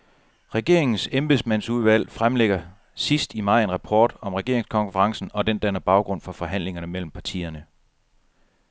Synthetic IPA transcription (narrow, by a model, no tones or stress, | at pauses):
ʁɛɡ̥e̝ɐe̝ŋn̩semb̥esmæn̰suð̞ˠʋæl̰fʁamleɡ̥ɐ | sisd̥imɑ̈ɪ̰e̝nʁɑpʰɒ̰ːd̥ɒ̽mʁɛɡ̥e̝ɐ̰eŋskʰɒ̽nfəʁɑ̈ŋsn̩ɒ̽d̥end̥ænɐb̥ɑ̈ʊɡ̥ʁɔ̽n̰fɒ̽fɒ̽ɦæn̰le̝ŋɐnəmel̰m̩pʰɑ̈t͡sʰḭːɐnə